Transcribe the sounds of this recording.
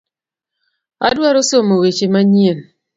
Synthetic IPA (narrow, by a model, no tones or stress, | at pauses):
a̰dwaɾosomowet͡ʃimaɲien